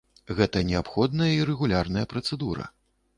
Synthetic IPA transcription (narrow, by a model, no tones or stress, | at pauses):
ɣɛt̪ɐnʲɛapxɔd̪nɐjɐiɾɛɣulʲarnɐjɐpɾɐt̪sɛd̪uɾɐ̰